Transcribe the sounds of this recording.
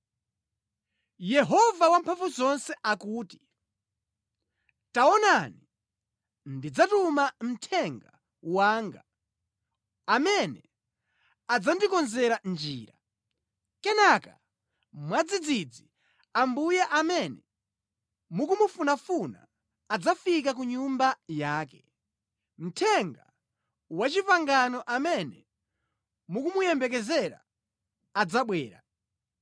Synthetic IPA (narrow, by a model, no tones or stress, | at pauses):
jɛɦɔvawampʰafuzɔnsɛʔakuːti̥ | taɔnani | ndid͡zatumam̩tʰɛŋɡa | waːŋɡa̰ | mɛnɛ | ad͡zandikɔnzɛɾand͡ʒiːɾa̰ | kɛnaka̰ | mwad͡zid͡zid͡zi | ambujɛʔamɛnɛ | mukumufunafuna̰ː | d͡zafik̬ak̬uɲumbajaːkɛ̥ | m̩tʰɛŋɡa̰ | wat͡ʃipaŋɡanɔʔamɛnɛ | mukumujɛmbɛkɛzɛɾa̰ː | d͡zaɓwɛːɾa̰